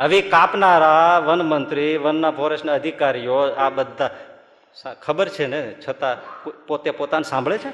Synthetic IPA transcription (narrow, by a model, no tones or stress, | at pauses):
əʋikapnaɾaʋənmənt̪ɾiʋənːabʱoɾeʃnəəd̪ʱikaɾijoabəd̪ʱːa | sakʰəbəɾt͡ʃʰenet͡ʃʰət̪apot̪epot̪anesãmbʱɭet͡ʃʰe